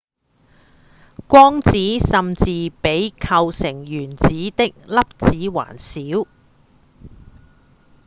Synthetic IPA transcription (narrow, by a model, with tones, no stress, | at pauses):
kʷɔː˥ŋt͡siː˨˥sɐ˨mt͡siː˨˧pe˨˥jkʰɐ˧wsɪ˨˩ŋjyː˨˩nt͡siː˨˥t̪ɪ˥k̚lɐ˥p̚t͡siː˨˥wa̰ː˨˩nsiː˨˥w